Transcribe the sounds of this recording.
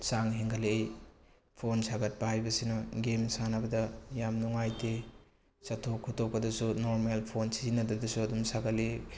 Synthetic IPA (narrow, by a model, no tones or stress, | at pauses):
saŋɦeŋkʰɐle | pʰonsaɡɐt̚pɐhajbɐsinɔɡemsanɐbɐdɐjamnuŋajte | satʰokʰutok̚pɐdɐsunoɾmelpʰonsizinɐdɐdɐsuɐdumsaɡɐle